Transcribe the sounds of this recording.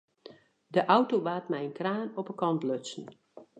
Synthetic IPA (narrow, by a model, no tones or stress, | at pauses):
dəʔawtoʋaːtmɛjənkraːnɔpəkɔntløsən̩